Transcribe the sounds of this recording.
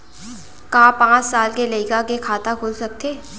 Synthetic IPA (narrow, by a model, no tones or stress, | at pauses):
kaːpãːt͡ʃsaːlkelɐɪkakekʰaːt̪akʰʊlsɐk̚t̪eː